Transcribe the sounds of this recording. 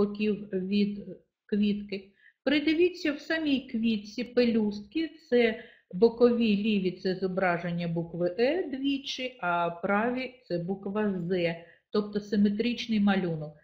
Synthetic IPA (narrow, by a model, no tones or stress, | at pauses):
ɔkʲiwʋʲid̪ | kʋʲit̪kɪ | pɾɪd̪eʋʲit͡sʲːɐwsɑmʲijkʋʲit̪ʲt͡sʲipelʲust̪̚kʲit̪sɛ | bɔkɔʋʲilʲiʋʲit̪sɛzɔbɾɑʒenʲːɐbukʋɪʔɛd̪ʋʲit͡ʃɪɐpɾɑʋʲit̪sɛbukʋɐzɛ | t̪ɔpt̪ɔsɪmet̪ɾʲit͡ʃnɪjmɐlʲunɔk